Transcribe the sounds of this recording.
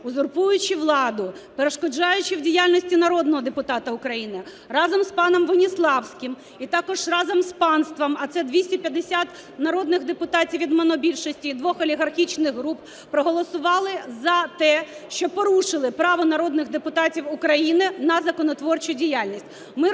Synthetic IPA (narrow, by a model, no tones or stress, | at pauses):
ʊzʊrpujʊt͡ʃɪʋlˠɑd̪ʊpeɾeʃkɔd͡ʒɑjʊt͡ʃɪwdʲijalʲnɔsʲtʲinɐɾɔd̪nɔɦɔd̪epʊt̪ɑt̪ɐʊkɾɐjinɪ | rɑzɔmspɑnɔmʋɔnʲislˠɑwsʲkɪm | it̪ɑkɔʒrɑzɔmspɑnst̪ʋɐmɐt̪sɛd̪ʲʋʲisʲtʲɛpʲjɐd̪esʲat̪ | nɐɾɔd̪nɪɣd̪epʊt̪ɑtʲiwʋʲid̪menɔbʲilʲʃɔsʲtʲiid̪ʋɔxɐlʲiɦɐrxʲit͡ʃnɪɣɦɾup | pɾɔɦɔlˠɔsʊʋɑlˠɪzɐt̪ɛ | ʃt͡ʃɔpɔɾuʃɪlˠɪpɾɑʋɔnɐɾɔd̪nɪɣd̪epʊt̪ɑtʲiwʊkɾɐjinɪnɐzɐkɔnɔt̪ʋɔrt͡ʃʊdʲijalʲnʲisʲtʲ | mɪ